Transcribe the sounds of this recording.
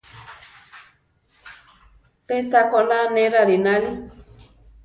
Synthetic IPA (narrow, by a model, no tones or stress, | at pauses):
pet̪akolanẽɾaɾinali